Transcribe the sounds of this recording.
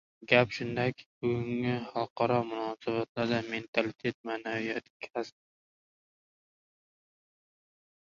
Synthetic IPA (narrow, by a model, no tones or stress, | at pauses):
ɡʲapʃʊnd̪akʲʰbʊɡʊŋɪhalˠqʰɑɾɒmʊnɒsabat̪laɾd̪ame̞nt̪ʰalɪt̪ʰe̞t̪̚maːnavijat̪kʲʰasp